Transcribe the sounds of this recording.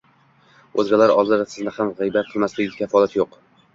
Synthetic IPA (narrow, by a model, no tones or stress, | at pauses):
ɵzɡʲalaɾɒlˠd̪ɪd̪asɪznɪhamʁɨjbat̪̚qʰɨlˠmaslɪɡʲɪkʲʰafɒlˠat̪joq